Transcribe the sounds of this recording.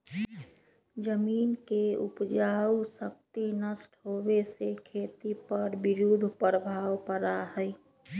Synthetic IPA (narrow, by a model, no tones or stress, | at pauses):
d͡ʒəmiːnkeʊpd͡ʒaːusək̚t̪inəsʈʰɦoːbesekʰeːt̪ipəɾbɪɾud̪ʱpəɾəbʱaːwpəɾaɦɛi